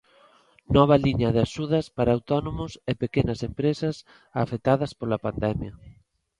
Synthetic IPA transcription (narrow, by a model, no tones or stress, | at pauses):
nɔβ̞ɐliɲɐðeaʃuð̞ɐspaɾaawt̪ɔnomʊsepekenɐsempɾesɐs | afek̚t̪aðɐspolɐpand̪ɛmjɐ